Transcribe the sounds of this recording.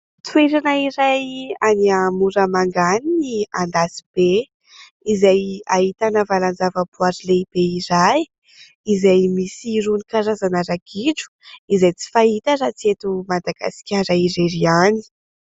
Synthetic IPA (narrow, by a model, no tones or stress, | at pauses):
t̪weɾanaiɾajaniamuɾəmaŋɡaniniand̪asib̥e | izajaɦit̪anəvaland͡zavəpuaɾileib̥eiɾaj | izajmisiɾunikaɾazanaɾaɡiʈ͡ʂu̥izajt͡si̥faɦit̪əɾat͡siet̪umad̪aɡa̰si̥kʲaɾaiɾeɾiani̥